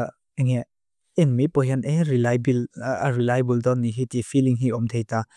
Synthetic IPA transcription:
eŋe | inmipɔɦaneɾilajbilɾilajbuldɔnːiɦitifʰiliŋɦiɔmtʰejta

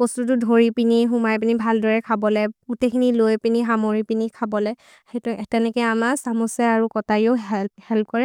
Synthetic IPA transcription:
bostut̬udʱoɹipiniɦumajp̬inibʱaldɔɹɛkʰabɔlɛutekʰinilojpiniɦamoɹipinikʰabɔlɛ | hetuʔɛtɛnɛkɛamasamusɛaɹukɔtaɹioɦɛphɛlp̚kɔɹɛ

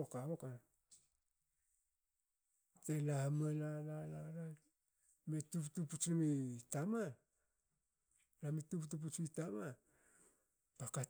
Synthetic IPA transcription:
okaoka | telamalalalala | metuptuput͡ʃumitama | lamituptup̬ut͡ʃuitama | paka

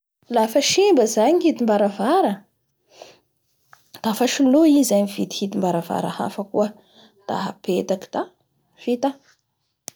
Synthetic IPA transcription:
lafəʃimbəzaɲihit̪imbaɾavaɾə | d̪̥afəʃuloizaɲiv̥it̪i̥hit̪imbaɾava̰ɾə̰ha̰fəkuə | d̪̥a̰ɦa̰pet̪aki̥d̪̥a | v̥it̪a

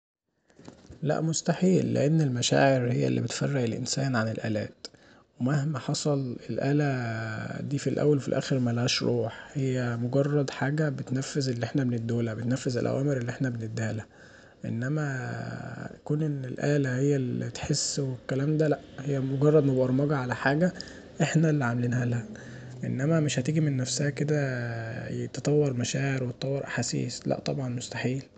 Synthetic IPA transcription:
læ̰ʔmost̪aħiːlːḛʔenːelmæʃa̰ːʕeɾhejːæ̰lːḭbet̪færːeʔelʔḛnsæːnʕanelʔæ̰ːlæ̰ːt̪ | wemæhmæħɑsˤɑlelʔæːlæ | d̪iːfilʔæ̰wːælfilʔæ̰ːxeɾmælæːʃɾˤʔuːħhejːæmoɡɑrˤːɑd̪ħaːɡæbet̪næfːezelːiʔeħnæbened̪ːoːlæbet̪næfːezæ̰lʔæ̰wʔæːmeɾelːiʔeħnæbened̪ːæːlæ | ʔḛnːæmæ | jækuːnʔenːelʔæ̰ːlæhejːælit̪ħesːwekːælæːmd̪ælæʔhejːæmoɡɑrˤːɑd̪mæbʔɑɾˤmɑɡɑʕalæħaːɡæ | ʔeħnælːiʕameliːnhælæʔḛnːæmæmeʃhæt̪iːɡimenːæfsæhæked̪æ | jet̪t̪ˤɑwːɑɾˤmæʃæːʕeɾwet̪ɑt̪ˤɑwːeɾʔæ̰ħasḭːslæ̰ʔt̪ˤɑbʕɑnmost̪ḁħiːl

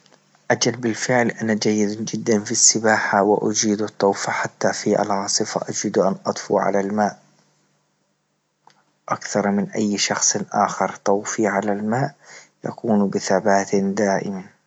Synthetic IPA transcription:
ʔad͡ʒalbɪlfɪʕlʔanad͡ʒajːɪd̪d͡ʒɪd̪ːanfisːɪbaːħawɪʔad͡ʒiːd̪ɑt̪ˤːɑwfaħat̪ːafiʔa̰lʕɑːsˤɨfa̰ʔad͡ʒiːd̪ʔanʔɑt̪ˤfṵʕa̰lalmaːʔ | ʔakθɑɾˤmɪnʔajːʃɑxsˤʔa̰ːxɑɾˤt̪ˤɑwfiʕalalmaːʔja̰kuːnbɪθabaːt̪d̪aːʔɪ̰ma

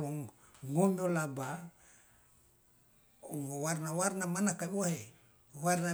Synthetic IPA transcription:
loŋŋondolaba | uŋowaɾnawaɾnamanakawahe | waɾna

